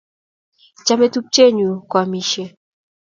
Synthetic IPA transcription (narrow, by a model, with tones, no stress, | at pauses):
t͡ʃa˦me˦tu˦p̚t͡ʃɛ˦˨ɲu˨kwa˨mi˨ʃɛ˦